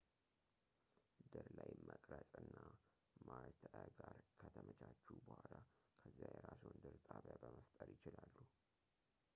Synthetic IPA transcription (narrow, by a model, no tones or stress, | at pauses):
d̪ɨɾlajməkʼɾəsʼɨnːa | maɾt̪ʰɡaɾkʰət̪ʰəmʔət͡ʃʰat͡ʃːubəhalakʰəzːajɛɾasond̪ɨɾt̪ʼaβjabəməst̪ʼəɾjɪt͡ʃɪlalːu